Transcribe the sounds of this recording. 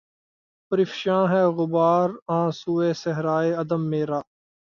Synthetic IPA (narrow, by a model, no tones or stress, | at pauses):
pəɾɪfʃãːɦɛːɣʊbaːɾãːsuːeːsəɦɾaːeːəd̪əmːeːɾaː